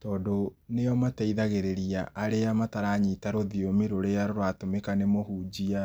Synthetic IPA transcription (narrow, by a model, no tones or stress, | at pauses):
tɔːdonejɔmataiðaɣeɾeɾiaʔaɾeamataɾaɲitaɾoðiomiɾoɾeaɾoɾwatomekanemohuːd͡ʑia